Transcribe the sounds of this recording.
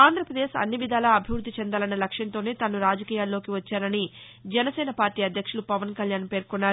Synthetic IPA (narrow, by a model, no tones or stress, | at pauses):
aːnd̪ʱɾɐpɾɐd̪eːʃɐ̰nːiʋid̪ʱaːlɐːbʱiʋɾud̪ːit͡ʃɛnd̪aːlɐnːɐlɐkʂjɐnt̪o̞ːne̞ːt̪ɐnːuɾaːd͡ʒɐkiːjaːlːo̞ːkiʋɐt͡ʃːaːɾɐni | d͡ʒɛnɐsɛːnɐpaːɾʈiːɐd̪ʱjɐkʂulupɐʋɐnkɐljaːnpe̞ːɾkunːaːɾu